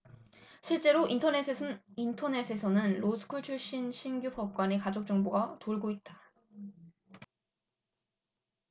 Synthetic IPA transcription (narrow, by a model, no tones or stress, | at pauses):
ɕʰiɭt͡ɕ͈e̞ɾointʰʌneintʰʌne̞sʰe̞sʰʌnɯnɾosʰɯ̥kʰuɭt͡ɕʰuɭɕ͈inɕʰimɡjupʌp̚k͈wanekad͡ʑok̚t͡ɕ͈ʌŋboɡatoɭɡoit̚t͈ḁ